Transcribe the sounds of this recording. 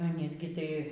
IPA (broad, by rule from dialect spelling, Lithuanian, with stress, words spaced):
ɐˈnʲiːs ɡʲɪ tɐɪ ˈɪs ˈɡʲɪ ˈtɐɪ